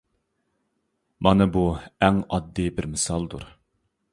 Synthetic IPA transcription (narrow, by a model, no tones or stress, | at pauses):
mʔɑnɨbuɛŋɑd̪ːɨbɪɾmɨsɑlˠd̪uɾ